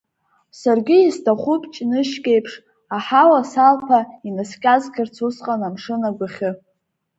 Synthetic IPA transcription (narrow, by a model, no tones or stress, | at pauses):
sarɡʲɪistʰaχʷʊpʰʼt͡ʃʼinɨʃkʲʼe̞jpʰʂ | aħawasalpʰainaskʲʼazkʲʰɪrt͡sʰusqʼanamʂɨnaɡʷaχʲɨ